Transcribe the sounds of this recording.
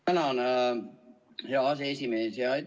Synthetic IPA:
ænɑn | hɑɑseesimeːsjɑi

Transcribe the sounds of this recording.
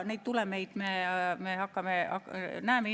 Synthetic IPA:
niːt̪t̪ulemeit̪memehɑkːɑmeɑnæːme

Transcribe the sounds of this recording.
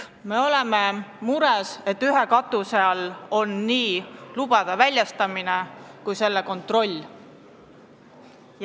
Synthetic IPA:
me̞o̞lememuɾɛse̞t̪ːyɦe̞kɑt̪ːˑuse̞ɑlo̞nːiːlub̥ɑd̪̥ɑvælʲːjɑst̪ɑminekujse̞lːeko̞nt̪ˑro̞lʲː

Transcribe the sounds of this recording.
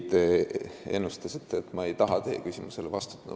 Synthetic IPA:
t̪ːˑee̞nːust̪ɑsit̪ːˑeet̪ːˑmɑe̞jt̪ɑɦɑt̪e̞ːkysʲimuse̞levɑst̪u̥t̪ːˑṵ

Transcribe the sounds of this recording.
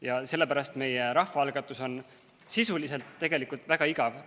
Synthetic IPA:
jɑse̞lːe̞pæɾɑst̪me̞jeɾɑhfɑɑlɡ̥ɑt̪ːˑuso̞n | sisulise̞lt̪ːe̞ɡ̥e̞likult̪væɡ̥ɑiɡɑv

